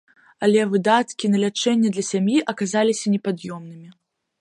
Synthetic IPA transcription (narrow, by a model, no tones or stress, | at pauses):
ɐlʲɛvɨd̪at̪kʲinɐlʲat͡ʂɛnʲːɐd̪lʲɐsʲamjiʔɐkazalʲisʲɐnʲɛpad̪jɔmnɨmʲi